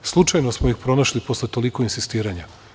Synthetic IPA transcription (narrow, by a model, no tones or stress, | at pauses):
slˠut͡ʃajnosmoixpɾo̞naʃlipo̞slet̪o̞liko̞insist̪iːɾaɲa